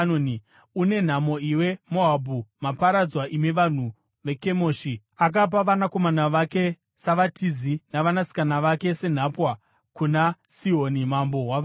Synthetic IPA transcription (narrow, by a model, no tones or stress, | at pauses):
noni | une̞n̤amo̞iwe̞mo̞abʱumapaɾad͡zwaʔimeʋan̤u | ʋe̞ke̞mo̞ːʃi | ak̬ap̬aʋanako̞manaʋake̞ | saʋatizinaʋanasi̥kanaʋake̞se̞n̤apwa | kunasiɦonimambo̞ɦwa